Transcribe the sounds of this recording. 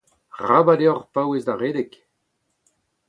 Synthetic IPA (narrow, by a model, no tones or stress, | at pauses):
ʁabadeɔʁpawezd̪aʁeːdek